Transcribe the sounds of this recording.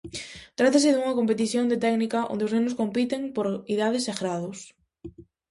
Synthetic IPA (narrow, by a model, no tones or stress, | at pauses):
t̪ɾat̪asɪðuŋɐkompet̪̬iθjond̪et̪ɛknikɐʔo̰nd̪eoʊznẽnʊskompit̪eŋpoɾiðaðɪseɣɾaðʊs